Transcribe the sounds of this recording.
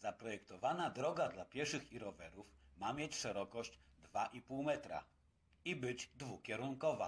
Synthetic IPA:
zapɾɔjɛkt̪ɔvanad̪ɾɔɡad̪lapʲjɛʂɘxiɾɔvɛɾufmamʲjet͡ɕʂɛɾɔkɔɕd͡ʑd̪vaʔipuwmɛt̪ɾa̰ | ibɘd͡ʑd̪vukʲɛɾuŋkɔva̰

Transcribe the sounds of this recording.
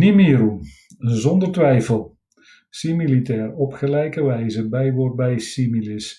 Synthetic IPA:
nimiːɾu | zɔndərtʋɛjfəlˠ | similitɛːrɔpχəlɛjkəʋɛjzəbɛjʋor̚bɛjsimilɪs

